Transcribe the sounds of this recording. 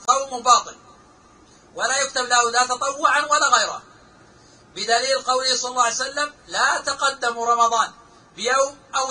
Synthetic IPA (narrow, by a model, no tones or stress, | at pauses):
qˤɑwmʊbɑːt̪ˤɨl | walajʊk̚t̪ablahud̪at̪ɑt̪ˤɑwːʊʕanwalːaɣajɾˤa̰ | bɪd̪aliːlqɑwlɪhsˤɑlːɑlːɑjsalːamlat̪aqɑd̪ːamɾˤɑmɑðˤɑːn | bɪjowmʔaw